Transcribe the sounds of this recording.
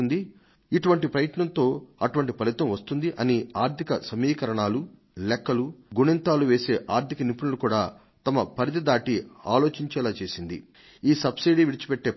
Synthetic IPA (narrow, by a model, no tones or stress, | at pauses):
nd̪i | iʈuʋɐɳʈipɾɐjɐʈɳɐnt̪o̞ːɐʈuʋɐɳʈipɐlit̪ɐmʋɐst̪und̪iʔɐniaːɾt̪ʰikɐsɐmiːkɐɾɐɳaːlu | lɛkːɐluɡuɳɐnt̪aːluʋe̞ːse̞ːʔaːɾt̪ʰikɐnipuɳɐlukuːɽaː | t̪ɐmɐpɐɾit̪ɐd̪aːʈia̰ːlo̞ːt͡ʃiɲt͡ʃɛːlaːt͡ʃeːsind̪ḭ | iːsɐbsijɖiʋiɽit͡ʃi̥peʈːe̞ː